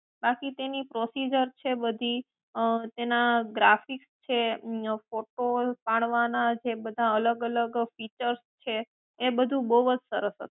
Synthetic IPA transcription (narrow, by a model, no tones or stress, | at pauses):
bakit̪enipɾosid͡ʒəɾt͡ʃʰebəd̪ʱi | t̪enaɡɾafikst͡ʃʰefoʈopaɽ̃ʋanad͡ʒebəd̪ʱaələɡələɡfit͡ʃəɾst͡ʃʰeː | bəd̪ʱũbəɦuʋət͡ʃsəɾəsɦə̰t̪u̥